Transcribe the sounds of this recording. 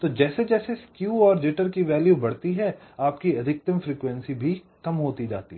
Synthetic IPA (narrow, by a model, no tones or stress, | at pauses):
t̪oːd͡ʒɛːsed͡ʒɛːseskjuːɔːɾd͡ʒɪʈəɾkiʋɛːljubɐɽt̪iɦɛaːpkiɐd̪ʱɪk̚t̪əmfɾiːkʋɛ̃nsibʱi | kɐmɦoːt̪id͡ʒa̰ːt̪ḭɦ